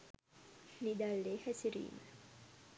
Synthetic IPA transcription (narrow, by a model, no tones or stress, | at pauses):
nid̪alːehɛsiɾḭːn